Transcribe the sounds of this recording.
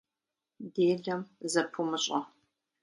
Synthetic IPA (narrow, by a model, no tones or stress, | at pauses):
deːdɐmzɐpʰumɨɕʼɐ